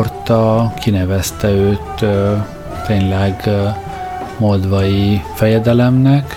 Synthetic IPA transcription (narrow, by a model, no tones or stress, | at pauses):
rt̪ɒkʰinɛvɛst̪ɛøːt̪ | t̪eːnlɛɡ | mod̪ʋɒjifɛjɛd̪ɛlɛmnɛk